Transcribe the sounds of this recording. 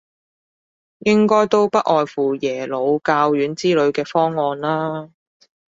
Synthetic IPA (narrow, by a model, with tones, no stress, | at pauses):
jɪ˥ŋkɔː˥jt̪o˥wpɐ˥t̚ʔɔː˨jfuː˨˩jɛː˨˩lo˨˧wkaː˧wjyː˨˥nt͡siː˥lɵ˨˧ɥkɛː˧fɔː˥ŋːɔː˧nlaː˥